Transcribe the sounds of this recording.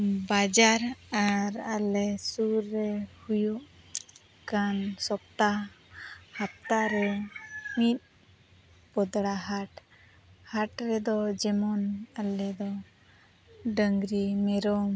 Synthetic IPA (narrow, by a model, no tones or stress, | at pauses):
bad͡ʒaɾaɾalɛsuɾːɛhujuʔ | kansɔp̚t̪a | hap̚t̪aɾɛmit̪̚ˀ | bɔd̪ɽaɦaʈ | haʈɾɛd̪ɔd͡ʒɛmɔnalɛd̪ɔ | ɖəŋɡɾimɛɾɔm